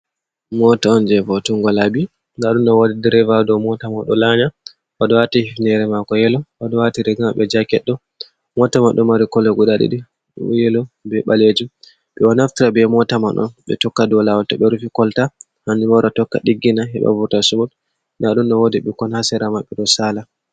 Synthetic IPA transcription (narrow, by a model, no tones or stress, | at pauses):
mɔtaɔnd͡ʒɛvɔtuŋɡɔlabi | naɗunɗɔwodidɛɾɛvadɔmɔtamaɗɔlaɲa | wadɔwatihifnɛɾɛmakɔjɛlɔwadɔwatiɾiɡamaɓɛd͡ʒakɛɗːɔ | mɔtamaɗɔmaɾikɔlɛɡuɗaɗḭɗi | jɛlɔbɛɓaled͡ʒum | ɓɛwanaftiɾabɛmɔtama̰ɗɔ̰nɓɛ̰tɔkːadɔlawltaɓɛɾufikɔlta | hand͡ʒumawɾatɔkːaɗiɡːinaɦɛ̰ɓa̰buɾtasumɔt | naɗunɗɔwodiɓɛkɔnhasɛɾamaɓɛɗɔsaːla